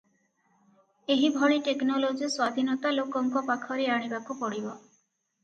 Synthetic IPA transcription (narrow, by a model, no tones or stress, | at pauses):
eɦibʱɔɭiʈeknɔlod͡ʒiswad̪ʱinɔt̪alokɔŋkɔpakʰɔɾeaɽ̃ibakupɔɽibɔ